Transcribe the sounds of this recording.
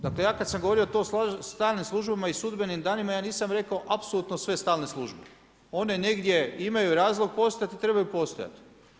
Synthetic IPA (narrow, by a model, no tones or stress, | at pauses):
d̪akle̞jaːkad̪samɡoʋo̞ɾiot̪osst̪aːlnimslˠuʒbamaisud̪benimd̪aːnimajaːniːsamɾe̞kao̞ʔapsolˠut̪nosʋe̞st̪aːlneslˠuʒbe | o̞ne̞ne̞ɡd̪ʲje̞imajuɾaːzlˠo̞ɡ̚po̞st̪ojat̪it̪ɾe̞bajupo̞st̪oja̰t̪